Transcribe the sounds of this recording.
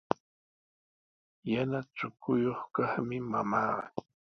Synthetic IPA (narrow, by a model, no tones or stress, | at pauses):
janat͡ʃʊkʊjoχkɑχmɪmamaːɢɑ̰